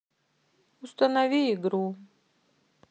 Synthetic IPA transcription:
ust̪anavʲiiɡɾuː

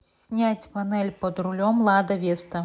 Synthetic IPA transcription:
nʲat͡sʲpanɛlʲpɐd̪ɾulʲɔmlˠad̪ɐvʲɛst̪ɐ

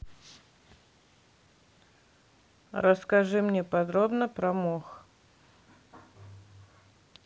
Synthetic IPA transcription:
rəskɐʐɨmnʲepɐd̪ɾobnəpɾɐmox

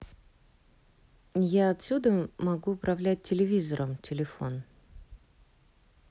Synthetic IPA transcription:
jaɐt̪sʲud̪əmɐɡuːpɾɐvlʲæt̚ʲtʲːɪlʲɪvʲizəɾʔəmtʲɪlʲɪfo̞n

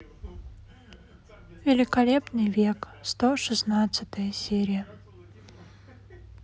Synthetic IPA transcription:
vʲɪlʲɪkɐlʲepnɨjvʲek | st̪oʂɨsnat̪sɨt̪əjəsʲeɾʲɪjə

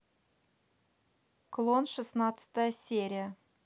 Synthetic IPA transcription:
klˠonʂɨsnɑt̪sə̥t̪əjəsʲeɾʲijə

